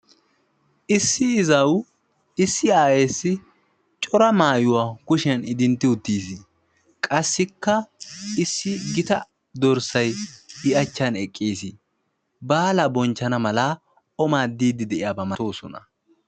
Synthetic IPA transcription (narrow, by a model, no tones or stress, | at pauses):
ʔɪsːɪɪzɐw | ɪsːɪaːjeːsːɪ | t͡ʃʼɔɾɐmaːjʊwaːkʊʃɪɐnɪd̪ɪnt̪ːɪʊt̪ːiːsɪ | kʼɐsːɪkːɐɪsːɪɡɪt̪ɐ | d̪ɔɾsɐjɪɐt͡ʃːɐnɛkʼːiːsɪ | baːlɐbɔnt͡ʃːɐnɐmɐla | ɔmaːd̪iːd̪ɪd̪ɛʔɪjaːbɐmɐt̪o̞ːsɔ̰nɐ̰